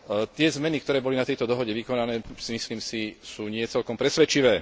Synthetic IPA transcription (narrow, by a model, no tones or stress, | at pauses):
t̪ɪɛzmɛnikt̪ɔɾɛːbɔlinat̪ɛjt̪ɔd̪ɔɦɔɟɛʋikɔnanɛːsimisliːmsisuːɲɪɛt͡sɛlkɔmpɾɛsʋɛt͡ʃiʋɛː